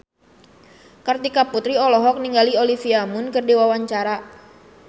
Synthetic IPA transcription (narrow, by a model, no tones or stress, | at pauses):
kart̪ikaput̪ɾiɔlɔɦɔk̚niŋɡaliolifiamʊnkɨrdiwawaɲt͡ʃaɾa